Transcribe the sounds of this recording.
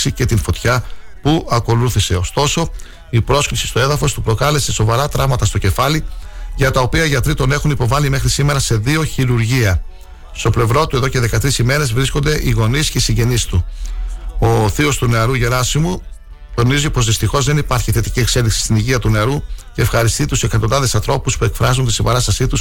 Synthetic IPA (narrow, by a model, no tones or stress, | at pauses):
sice̞t̪info̞t̪çɐ | puʔɐko̞luθise̞o̞st̪o̞so̞ | ipɾo̞sklisist̪oe̞ðɐfo̞st̪upɾo̞kɐle̞se̞so̞vɐɾɐt̪ɾɐvmɐt̪ɐst̪o̞ce̞fɐliʝɐt̪ɐopiɐʝɐt̪ɾit̪o̞ne̞xunipo̞vɐlime̞xɾisime̞ɾɐse̞ðio̞çiɾuɾʝiɐ | st̪o̞ple̞vɾo̞t̪ue̞ðo̞ce̞ðe̞kɐt̪ɾisime̞ɾe̞zvɾisko̞nd̪e̞ʔiɣo̞nisceisiɲɟe̞nisit̪u | o̞θio̞st̪uneɐɾuʝe̞ɾɐsimu | t̪o̞nizipo̞zðist̪ixo̞zðe̞nipɐɾçiθe̞t̪icie̞kse̞liksi̥st̪iniʝiɐt̪uneɐɾuce̞ːfxɐɾist̪it̪use̞kɐt̪ondɐðe̞sɐnθɾo̞puspue̞kfɾɐzunt̪isimbɐɾɐst̪ɐsit̪us